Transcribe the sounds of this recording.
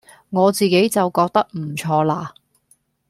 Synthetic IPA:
ŋɔː˨˧t͡siː˨ke˨˥jt͡sɐ˨wkɔː˧k̚t̪ɐ˥k̚m̩˨˩t͡ʃʰɔː˧laː˧

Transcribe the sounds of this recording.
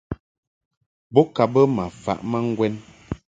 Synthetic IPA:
bɔ˦ka˨bə˦ma˨fa̰˨ʔma˦ŋ̩˦ɡwɛ˦n

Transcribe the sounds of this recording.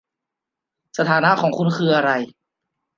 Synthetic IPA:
sa˧t̪ʰaː˩˦na˦˧˥ʔkʰɔː˩˦ŋkʰu˧nkʰɯː˧ʔa˧ɾa˧j

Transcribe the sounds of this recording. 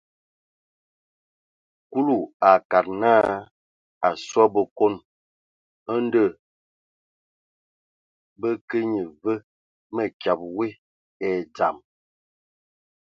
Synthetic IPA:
ku˦lu˦˨a˨ka˨t̚naː˦ | a˨swa˦bə˨ko˦n | ə˦n˦də˦˨ | bə˦kə˦ɲə˨və˦ | mə˨kja˨p̚we˦ | ɛ˨d͡za˨m

